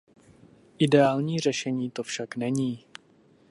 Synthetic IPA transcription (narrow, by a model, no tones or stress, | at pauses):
ʔɪdɛaːlɲiːr̝ɛʃɛɲiːt̪o̞fʃaknɛɲiː